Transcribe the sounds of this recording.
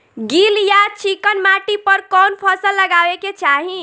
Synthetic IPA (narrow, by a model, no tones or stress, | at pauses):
ɡiljat͡ʃʰikənmaʈipəɾkɔnpʰəsəlːəɡaʋeket͡ʃaɦi